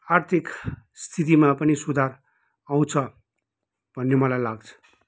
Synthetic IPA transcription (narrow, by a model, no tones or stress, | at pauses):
art̪ʰikst̪ʰit̪̬imapʌnisud̪ʱaɾ | aw̃t͡sʰʌ | bʱʌnːemʌlajlaɡt͡sʰʌ̥